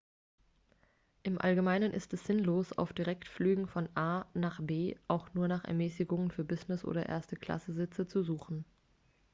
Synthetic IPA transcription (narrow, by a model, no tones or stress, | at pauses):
ʔɪmʔa̰lɡəmaɪnənʔɪ̰stɛsz̥ɪnloːsa̰ʊfd̥iʁɛktflyːɡŋ̩fɔnʔaːnaːχbeːʔaʊxnuːɐnaːχɛ̰ɐmɛːsɪɡʊŋənfyːɐbɪznɪsʔo̰ːdɐ̰ʔḛːɐstəkl̥a̰səzɪt͡sət͡suzuːxn̩